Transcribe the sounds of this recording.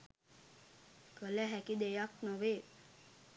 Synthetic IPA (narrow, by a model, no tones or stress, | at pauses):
kələɦækid̪ejaknəʋeː